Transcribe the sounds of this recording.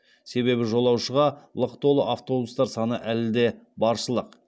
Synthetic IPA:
se̞βe̞βɪʒo̞lˠɑwʃəʁɑlˠəqt̪o̞lˠəʔaft̪o̞bust̪ɑɾsɑnəʔælɪd̪e̞bɑɾʃəlˠəq

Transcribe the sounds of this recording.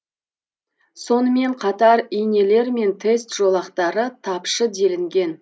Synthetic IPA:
so̞nəme̞ɴqʰɑt̪ɑɾijne̞le̞ɾme̞nt̪ʰe̞st̪ʒ̥o̞lˠɑqt̪ɑɾət̪ʰɑpʃəd̪e̞lɪŋɡʲe̞n

